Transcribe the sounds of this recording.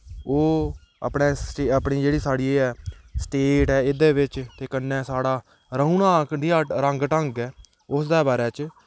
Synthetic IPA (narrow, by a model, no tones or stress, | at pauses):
oː | ə̰pɳeːsʈepɳiːd͡ʒeːɽiːsaːɽiːeːɛːsʈeːʈɛːɪd̪eːʋɪt͡ʃt̪eːkənːɛ̃ːsaːɽaː | ɾəũːnãːkd̪iaːɾəŋɡʈəŋɡɛː | ʊsd̪aːbaːɾɛːt͡ʃ